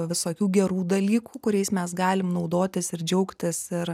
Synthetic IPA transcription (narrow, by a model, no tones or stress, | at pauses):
ʋʲɪsoːkʲuːɡʲɛɾuːd̪ɐlʲiːkuːkʊɾʲɛɪsmʲɛsɡɑːlʲɪmnɐʊd̪oːt̪ʲɪsɪɾd͡ʒʲɛʊkt̪ʲɪsɪr